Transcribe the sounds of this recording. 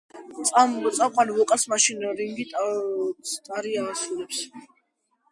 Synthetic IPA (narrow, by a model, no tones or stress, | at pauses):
t̪sʼamt̪sʼamqʼanvɔqʼasmaʃinɾiŋɡit̪ʼ | t̪ʼaɾiaːsulɛps